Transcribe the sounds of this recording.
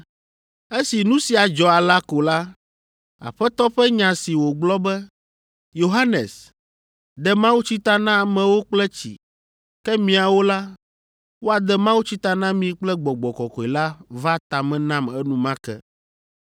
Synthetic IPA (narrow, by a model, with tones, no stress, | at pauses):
e˦si˨nũ˦si˨a˨d͡ʒɔ˨a˨la˦ko˨la˦ | a̰˨ɸɛ˦t̪ɔ˦ɸɛ˦ɲã˨si˨wo˨ɡ͡blɔ˦bɛ˦ | jo˨ɦa˦nḛ˨s | d̪ɛ˨mã˦wu˦t͡ɕi˦t̪a˦nã˦a˨mɛ̃˨wo˦k͡plɛ˦t͡ɕḭ˨ | kɛ˦mĩ˨a˨wo˦la˦ | wo˦a˨d̪ɛ˦mã˦wu˦t͡ɕi˦t̪a˦nã˦mĩ˨k͡plɛ˦ɡ͡bɔ˨ɡ͡bɔ˨kɔ˨kɔ˨i˨la˦va˦t̪a˨mɛ̃˨nã˦mɛ˦nũ˦mã˦kɛ̰˦